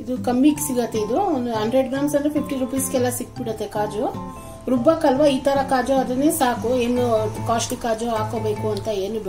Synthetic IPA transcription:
id̪ukɐmːiːksiɡɐt̪ːeid̪uond̪uɦɐɳɖɾeɖɡɾaːmsɐnd̪ɾepʰip̚ʰʈiɾupijskɛlːɐsik̚ːbiɽɐt̪ːekaːd͡ʒu | ɾubɐkɐlʋɐiːt̪ɐɾɐkaːd͡ʒuɐd̪ɐnːesaːkueːnukaːsʈikaːd͡ʒuaːkoːbeːkuɐnt̪ɐeːnub

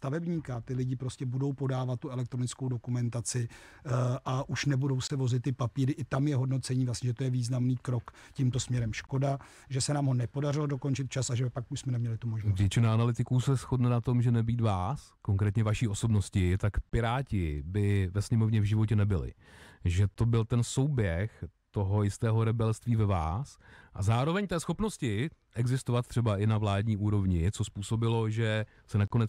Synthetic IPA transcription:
st̪avɛbɲiːkat̪ɪlɪɟɪpɾo̞scɛbudo̞wpo̞daːvat̪̚ːuɛlɛk̚t̪ɾo̞nɪt͡skowdo̞kumɛnt̪at͡sɪ | ʔaʔuʃnɛbudo̞wsɛvo̞zɪt̪ːɪpapiːɾɪʔɪt̪amjɛɦo̞dno̞t͡sɛɲiːvlastɲɛʒɛt̪ojɛviːznamniːkɾo̞k | cimt̪o̞smɲɛɾɛmʃko̞da | ʒɛsɛnaːmɦo̞nɛpo̞darɪlodo̞ko̞nt͡ʃɪt̪̚t͡ʃasaʒɛpakuʃsmɛnɛmɲɛlɪt̪umoʒnvjɛt͡ʃɪnaanalɪt̪ɪkuːsɛsxo̞dnɛnat̪o̞mʒɛnɛbiːt̪vaːskoŋkɾɛːt̪ɲɛvaʃiːo̞so̞bno̞scɪt̪akpɪɾaːcɪbɪvɛsɲɛmo̞vɲɛvʒɪvo̞cɛnɛbɪlɪ̰ʒɛt̪o̞bɪlt̪ɛnso̞wbjɛxt̪o̞ɦo̞jɪst̪ɛːɦo̞ɾɛbɛlst̪viːvɛva̰ːsʔazaːɾo̞vɛɲt̪ɛːsxo̞pno̞scɪʔɛɡzɪst̪ovat̪̚t̪ːr̥ɛbaʔɪnavlaːdɲiːʔuːɾo̞vɲɪt͡so̞spuːso̞bɪlo̞ʒɛ | sɛnako̞nɛ

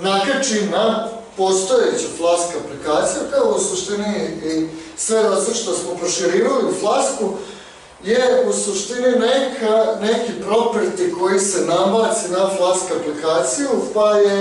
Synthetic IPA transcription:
nakat͡ʃina | po̞st̪o̞et͡ɕuflˠaskaplikaːt̪sijupeousuʃt̪iniː | sʋed̪asoʃt̪osmopɾoʃiɾiːʋaliuflˠasku | jeusuʃt̪ininekʰane̞kipɾo̞pɾit̪iko̞jise̞nabaːt̪sinaflˠaskaplikaːt̪sijupaje

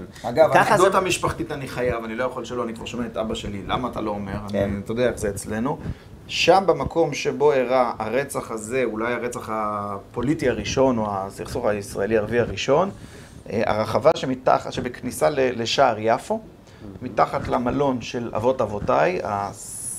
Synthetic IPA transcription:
ɡavkaχazot̪amiʃpaχtitaniχajavanilo̞jaχolʃeloanikvaʁʃomeetʔabaʃe̞lila̰maːt̪a̰lo̞ːme̞ʁanitodeaezeeːt͡sle̞nu | ʃambemakʰo̞mʃe̞bo̞eʁaaʁe̞t͡saχaze̞ulajaʁet͡saχapo̞litiaʁiʃo̞noasiχsuχaisʁa̰eliaʁviaʁiʃo̞n̰ | a̰ʁaχavaʃemita̰χʃebeknisaleleʃaːʁjafo̞ | mitaχat̪lamalo̞nʃe̞la̰vo̞tavo̞taja̰

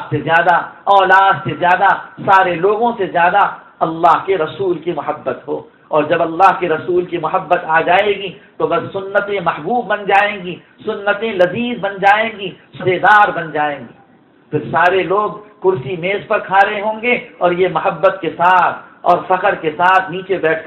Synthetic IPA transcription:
sezjaːd̪aɔːlaːd̪sezjaːd̪asaːɾeloːɡõsezjaːd̪a | ɐlːaːɦkeɾɐsuːlkimʊɦəbːət̪ɦo̰ː | ɔːɾd͡ʒɐbɐlːaːɦkeɾɐsuːlkimʊɦəbːət̪aːd͡ʒaːeːɡit̪obɐsːʊnːət̪ẽmɐhbuːbːɐnd͡ʒaːẽːɡi | sʊnːət̪ẽlɐziːzbɐnd͡ʒaːẽːɡisʊd̪eːd̪aːɾbɐnd͡ʒaːẽːɡiː | pʰɪɾsaːɾeloːɡkʊɾsimeːzpɐɾkʰaːɾeɦõːŋɡeɔːɾjemʊɦəbːət̪kesaːt̪ʰɔːɾfɐqəɾkesaːt̪ʰniːt͡ʃebɛːʈʰ

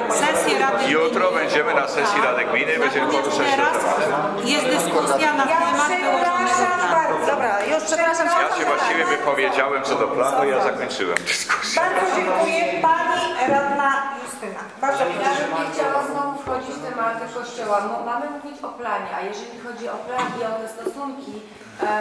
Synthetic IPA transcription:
sɛsjɛɾad̪ɪjut̪ɾɔbɛɲd͡ʑɛmɘnasɛsʲjiɾad̪ɪɡmʲinɨbɛɲd͡ʑɛmkɔviʂɛɾa | jɛsd̪ɪskusjanajamaaɡiaaad̪ɔbɾajuʂpʂɛpɾaʂamjaɕɛvvwaɕt͡ɕivʲjɛvɘpɔvʲjed͡ʑawɛmt̪sɔd̪ɔplanuijazakɔɲt͡ʂɘwɛ̰md̪ɨ̥sku̥sbaɾzɔd͡ʑeŋkujɛpaɲiɾad̪najust̪ɘnabaɾd̪zɔjabɨmɲɛxt͡ɕawaznɔvufxɔd͡ʑit͡ɕt̪ɛmaɾt̪ɛkɔɕt͡ɕɛwabɔmamɘmuvʲit͡ɕɔplaɲɛajɛʐɛlʲixɔd͡ʑiɔplaɡʲiɔt̪ɛst̪ɔsuŋkʲi

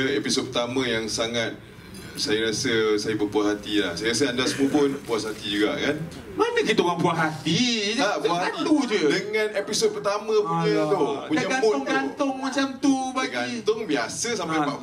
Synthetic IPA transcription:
episod̚pərt̪amə̃jaŋsaŋat̪̚ | sajəɾasəsajəbəpuashat̪ilahsajəɾasəandasəmubʊnpuasɦat̪id͡ʒuɡa̰ʔkan | manəkit̪oŋaŋpuaɦat̪id͡ʒaapuaaant̪ud͡ʒədəŋãnepisot̚pərt̪amə̃puɲət̪ouɲaaɡaboɡant̪ʊŋmat͡ʃamt̪ubaɡat̪ʊŋbiasəsampajpaʔ

